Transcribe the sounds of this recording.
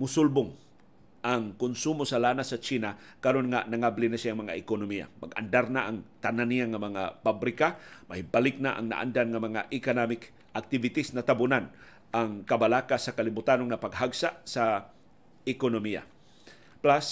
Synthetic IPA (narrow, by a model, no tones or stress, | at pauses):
mʊsʊlbʊŋ | ʔaŋkʊnsumosalanasat͡ʃina | kaɾonŋanaŋablinasɪaʔŋmaŋa̰ɪkonomia̰ma̰ɡa̰ndaɾnaʔaŋt̪ananijaŋamaŋa̰pabɾɪkamahɪbalɪk̚naʔa̰ŋna̰ʔa̰ndanŋamaŋaʔɪkonamɪk | ʔak̚t̪ɪvɪt̪isnat̪abʊnan | ʔaŋkabalakasakalɪbʊt̪anoŋnapaɡɦaɡsaʔsa | ɪkonomija̰ | plas